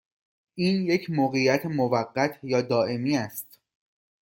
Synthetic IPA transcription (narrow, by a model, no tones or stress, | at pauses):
ʔiːnje̞cʰmoɣejæt̪ʰemovæɢːæt̪ʰjɒːd̪ɒːʔe̞miːæst̪